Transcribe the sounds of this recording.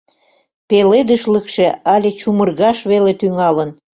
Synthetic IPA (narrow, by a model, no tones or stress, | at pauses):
peled̪əʃləkʃeɑlʲet͡ɕumərɣɑʃβelet̪yŋɑlən